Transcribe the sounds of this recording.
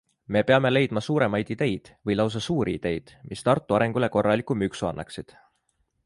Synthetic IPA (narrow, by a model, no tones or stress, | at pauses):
me̞peɑme̞le̞jd̪̥mɑsuːɾe̞mɑjd̪̥id̪̥e̞jd̪̥vɤjlɑws̬ɑsuːɾiḭd̪̥e̞jd̪̥mʔist̪ɑrt̪ːˑuɑɾe̞ŋɡ̥ule̞ko̞rːɑlikːˑumyksuɑ̰nːʔɑ̰ksid̪̥